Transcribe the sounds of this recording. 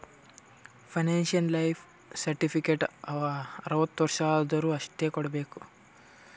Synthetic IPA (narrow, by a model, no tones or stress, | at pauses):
pʰɐjneːnʃijɐnlɐjpʰ | sɐɾʈipʰikeʈɐɐɾɐʋɐt̪ːʋɐɾʂaːld̪ɐɾuːɐʂʈeːkɔɽɐbe̞ːku̥